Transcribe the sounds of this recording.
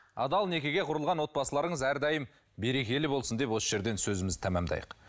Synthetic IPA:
ɑd̪ɑlˠne̞kʲe̞ɡʲeqʰʊɾəlˠʁɑnwo̞t̪̚bɑsəlˠɑɾəɴəzæɾd̪ɑjəm | be̞ɾe̞kʲe̞lɪbo̞lˠsənd̪e̞pwosəʒe̞ɾd̪e̞nsɵzɪmɪzɪt̪ʰæmæmd̪ɑ̰jəq

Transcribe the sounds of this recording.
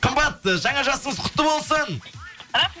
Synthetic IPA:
qʰəmbɑt̪ːəʒɑɴɑʒɑsəɴəzqʰʊ̥t̪ːəbo̞lˠsəɴ

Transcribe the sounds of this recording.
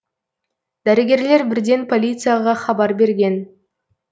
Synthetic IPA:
d̪̥æɾɪɡʲe̞ɾle̞ɾbɪɾd̪e̞npʰo̞lʲit̪sɨjaʁɑχɑbɑɾbe̞ɾɡʲe̞n

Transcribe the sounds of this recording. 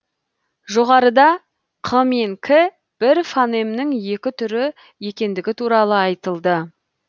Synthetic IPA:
ʒo̞ʁɑɾəd̪ɑ | qʰəmeŋkʲʰɪ | b̥ɪɾfane̞mnɪŋje̞kʲɪt̪ʰʏɾɪ | je̞kʲe̞nd̪ɪɡʲɪt̪ʰuɾɑlˠəɑjt̪əlˠd̪ə

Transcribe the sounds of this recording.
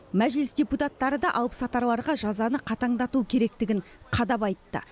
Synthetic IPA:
mæʒlɪsd̪ʲeput̪at̪ːɑɾəd̪ɑʔɑwəpsɑt̪ɑɾlˠɑɾʁɑʒɑzɑnəqʰɑt̪ɑɴd̪ɑt̪uəkʲʰe̞ɾe̞k̚t̪ɪɡʲɪɴ | qʰɑd̪ɑpɑjt̪ːə̰

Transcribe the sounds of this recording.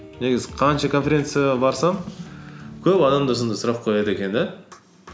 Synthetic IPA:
ne̞ɡʲɪzɪqʰɑnʃɑkʰo̞nfʲe̞ɾʲe̞nt̪sɨjɑɑbɑɾsɑɴ | kʲʰɵpɑd̪ɑmd̪əsənd̪əsʊɾɑp̚qʰo̞jɑd̪əekʲe̞nd̪e

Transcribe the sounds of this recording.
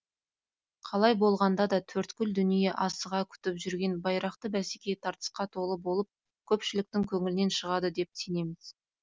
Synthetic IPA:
qʰɑlˠɑjbo̞lˠʁɑnd̪ɑd̪ɑt̪ʰɵɾt̪kʲʏld̪ʏnije̞ʔɑsəʁɑkʲʰʏ̥t̪ɪpʒʏɾɡʲe̞nbɑjɾɑqt̪əbæsekʲe̞t̪ʰɑɾt̪ə̥sqɑt̪ʰo̞lˠəbo̞lˠəp̚ | kʲʰɵpʃɪlɪk̚t̪ɪŋkʲʰɵŋɪlɪne̞nʃəʁɑd̪əd̪e̞p̚t̪ine̞mɪz̥

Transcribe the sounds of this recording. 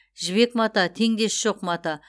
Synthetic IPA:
ʒɪβe̞kmɑt̪ɑt̪ʰe̞ŋd̪e̞sʒ̥oqmɑt̪ɑ

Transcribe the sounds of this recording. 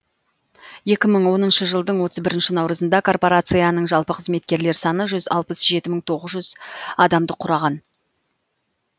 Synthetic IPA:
je̞kʲɪməɴwo̞nənʃəʒəlˠd̪əɴwo̞t̪əzbɪɾɪnʃɪnɑwɾəzənd̪ɑkʰo̞rpo̞ɾat̪sɨjanəɴʒɑlˠpəqʰəzme̞t̪̚kʲe̞ɾle̞ɾsɑnəʒʏzɑ̰lˠpəsʒe̞t̪ɪməɴt̪ʰo̞ʁəzʒʏzɑd̪ɑmd̪əqʰʊɾɑʁɑn

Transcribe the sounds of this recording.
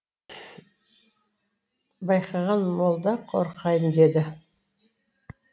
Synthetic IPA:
bɑjqʰɑʁɑnmolˠd̪ɑqʰo̰ɾqʰɑjəmd̪e̞d̪ɪ

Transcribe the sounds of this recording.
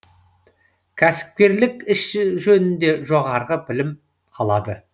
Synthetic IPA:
kʲʰæsɪ̥p̚kʲe̞ɾlɪkɪʃʒɵnɪnd̪e̞ʒo̞ʁɑɾʁəbɪlɪm | ɑlˠɑd̪ə

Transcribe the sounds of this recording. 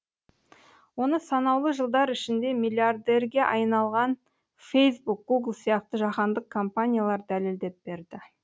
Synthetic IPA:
wo̞nəsɑnɑwlˠəʒəlˠd̪ɑɾɪʃɪnd̪e̞milʲiard̪e̞rɡʲe̞ʔɑjnɑlˠʁɑn | fejsbuk̚ɡ̥uɡlˠsijɑq̚t̪əʒɑqɑnd̪əqkʰo̞mpanʲijalˠɑɾd̪æleld̪e̞p̚b̥e̞ɾd̪ɪ

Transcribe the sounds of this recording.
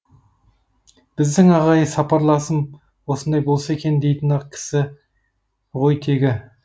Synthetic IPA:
b̥ɪzd̪ɪŋɑʁɑjəsɑpɑɾlˠɑsəm | wo̞sənd̪ɑjbo̞lˠsae̞kʲʰe̞nd̪e̞jt̪ɪnɑq̚kʲʰɪ̥sɪ | ʁo̞jt̪ʰe̞ɡʲɪ

